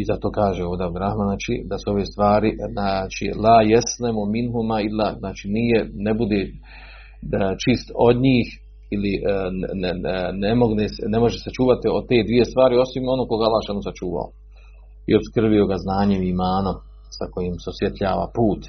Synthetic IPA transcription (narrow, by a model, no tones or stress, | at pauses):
izat̪o̞ːkaːʒeoːd̪eabd̪ɾahmaːnat͡ʃḭd̪asuo̞ʋeːst̪ʋaːɾinat͡ʃḭlaːjesnemominɦumailːanaːt͡ʃiːnijenebud̪eː | t͡ʃist̪o̞d̪ɲiːh | iliʔ | nemoɡnesne̞mo̞ʒeset͡ʃuːʋat̪iot̪e̞ːd̪ʋije̞st̪ʋaːɾio̞simo̞noːko̞ɡaalˠːaʃanosat͡ʃuːʋa̰o̰ | ḭo̞pskr̩bio̞ɡaznaːɲe̞mimaːnom | sako̞jiːmseosjet̪ʎaːʋa̰puːt̪